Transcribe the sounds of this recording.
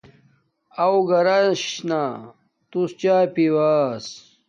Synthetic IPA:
ɐwɡɐɾaɕna | t̪ust͡ɕaːjpiwaːs

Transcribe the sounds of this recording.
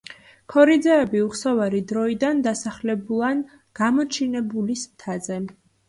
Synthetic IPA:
kʰɔɾid̪zɛːbiuχsɔvaɾid̪ɾɔid̪and̪asaχlɛbulˠan | ɡ̥amɔt͡ʃʰinɛbulist̪ʰazɛ

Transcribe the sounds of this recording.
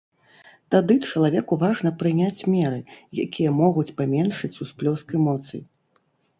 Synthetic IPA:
t̪ad̪ɨt͡ʂɐlˠavʲɛkuvaʐnɐpɾɨnʲat͡sʲmʲɛɾɨja̰kʲijɐmɔɣut͡sʲpamʲɛnʂɨt͡sʲusplʲɔskɛmɔt̪sɨ̰j

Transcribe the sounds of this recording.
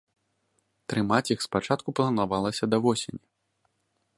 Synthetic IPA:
t̪ɾɨmat͡sʲixspat͡ʂat̪kuplˠɐnavalˠɐsʲɐd̪ɐvɔsʲenʲi

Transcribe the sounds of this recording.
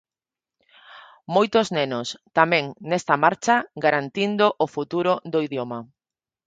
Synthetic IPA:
mojt̪oznenost̪amɛ̃ŋnest̪ɐmaɾt͡ʃaɡaɾant̪ind̪ʊʔofut̪uɾʊd̪oiðjoma

